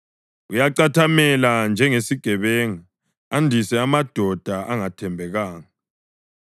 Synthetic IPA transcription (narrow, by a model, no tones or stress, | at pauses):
ujaǀatʰamɛland͡ʒʱɛŋesiɡ̥ʱɛβɛŋa | andʱisɛamad̥ʱɔd̥ʱaʔaŋatʰɛmbʱɛɣaːŋa